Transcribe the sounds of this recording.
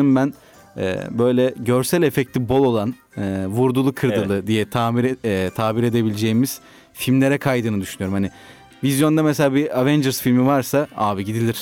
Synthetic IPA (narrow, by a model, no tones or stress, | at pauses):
ɯmbæn | ɛ̰bø̞jlʲɛɟø̞ɾsælʲe̞fɛc̚tlʲibo̞lˠo̞lˠan | ɯːvuɾd̪ulˠukʰɯɾd̪ɯlˠɯd̪ijɛt̪ʰaːmiɾt̪ʰaːbiɾe̞d̪e̞bilʲed͡ʒejimiz̥ | filʲmlʲe̞ɾɛkʰajd̪ɯːnɯd̪yʃynyjo̞ɾumhani | vizjo̞nd̪ameselʲaːbiavɛnd͡ʒɛɾsfilʲmivaɾsaaːvɯɟid̪ilʲiɾ̝̥